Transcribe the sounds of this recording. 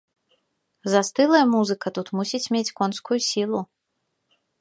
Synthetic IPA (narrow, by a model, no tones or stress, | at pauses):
zɐst̪ɨlˠɐjɐmuzɨkɐt̪ut̪musʲit͡sʲmʲet͡sʲkɔnskujusʲilˠu